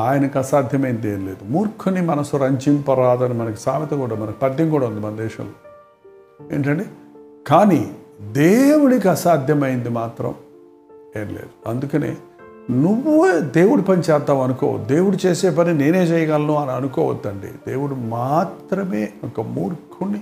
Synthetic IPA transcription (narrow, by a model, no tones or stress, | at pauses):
aːjɐnɐkɐsaːd̪ʱjɐmɐjind̪ieːnleːd̪umuːɾkʰunimɐnɐsuɾɐɲt͡ʃimpɐɾaːd̪ɐnimɐnɐki̥saːmit̪ɐkuːɽɐmɐnɐki̥pɐd̪ːiŋkuːɽɐund̪imɐnɐd̪ɛːʃɐ̰mloː | ḛːɳʈɐɳɖi | kaːnid̪eːwuɽikiɐsaːd̪ʱjɐmɐjind̪imaːt̪ɾɐ̰m | eːnlḛːd̪uɐnd̪ukɐnḛː | nuʋːued̪e̞ːwuɽupɐnit͡ʃɛːt̪ːaːmɐnuko̰ːʋ̰d̪e̞ːwuɽut͡ʃeːseːpɐnine̞ːne̞ːt͡ʃɛjɐɡaːlɐnuːanɐɐnukɔːʋɐ̰d̪ːɐɳɖḭd̪eːʋuɽumaːt̪ɾɐmeːɔkɐmuːɾkʰunːi